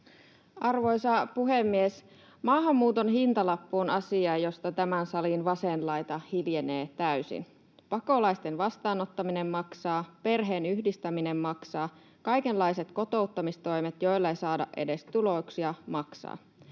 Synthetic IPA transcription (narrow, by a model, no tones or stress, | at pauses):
ɑrʋo̞jsɑpuɦe̞mːies | mɑːɦɑmːuːt̪o̞nɦint̪ɑlɑpːuːnɑsiɑjo̞st̪ɑt̪æmænsɑlinʋɑsenlɑjt̪ɑhiljeneːt̪æysḭn | pɑko̞lɑjst̪e̞nʋɑst̪ɑːno̞t̪ːɑmine̞mːɑksɑːpe̞rɦe̞ːnyhdist̪æmine̞mmɑksɑː | kɑjke̞nlːɑjse̞t̪ko̞t̪o̞ut̪ːɑmist̪o̞jmet̪jo̞jlːɑejsɑːdɑ̰ʔe̞de̞st̪ulo̞ksiɑmɑksɑ̰ː